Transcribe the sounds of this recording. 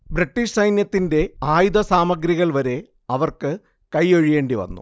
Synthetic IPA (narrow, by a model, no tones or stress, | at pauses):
briʈːiʂsɐjnjɐt̪ːinde̞aːjud̪ɐsaːmɐɡɾiɣɐɭʋɐɾe̞ | ɐʋɐrkɨ | kɐjoɻije̞ːɳɖiʋɐ̰nːṵ